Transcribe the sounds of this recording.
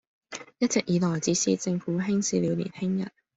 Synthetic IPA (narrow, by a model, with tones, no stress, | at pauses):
jɐ˥t̚t͡sɪ˨k̚jiː˨˥lɔː˨˩jt͡siː˨˥siː˥t͡sɪ˧ŋfuː˨˧˥ɦɪ˥ŋsiː˨˧li˨˧wlḭː˨˩nhɪ˥ŋjɐ̰˨˩n